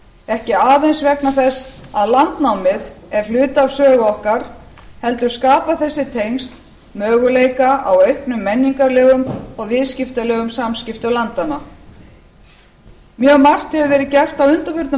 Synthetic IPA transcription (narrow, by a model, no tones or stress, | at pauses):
ɛhcɪaːðejnsvɛknaθɛsːaðlant̪nawmɪðɛɾ̥lʏːt̪avsœːɣɔhkaɾ̥ | hɛlt̪ʏ̥skaːpaθɛsːɪt̪ʰejnst̪ | mœːɣʏleːjkaaweɥhknʏmːɛnːiŋkaɾlɛːɣʏmɔɣvɪðscɪft̪alɛːɣʏmsamscɪft̪ʏlant̪ana | mjœːɣmar̥t̪hɛvʏvɛːɾɪðcɛr̥t̪awʏnt̪afʏɾt̪nʏ